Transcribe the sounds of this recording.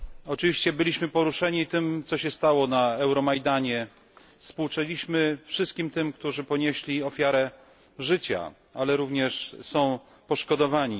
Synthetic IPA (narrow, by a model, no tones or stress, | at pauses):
ɔt͡ʂɘvʲiɕt͡ɕɛbɘlʲiɕmɘpɔɾuʂɛɲit̪ɘmt̪sɔɕɛst̪awɔnaɛwɾɔmajd̪aɲɛ | fspuwt͡ʂɛlʲiɕmɘfʂɘst̪̚kʲimt̪ɘmkt̪uʐɘpɔɲeɕlʲiɔfʲjaɾɛ | ʐɘt͡ɕa̰ | alɛɾuvɲɛʂsɔ̃w̃ | pɔʂkɔd̪ɔvaɲi